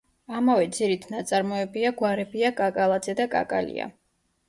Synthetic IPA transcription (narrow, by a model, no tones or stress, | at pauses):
amavɛd̪ziɾit̪ʰnat̪sʼaɾmɔɛbiaɡwaɾɛbiakʼakʼalˠad̪zɛd̪akʼa̰kʼalḭa̰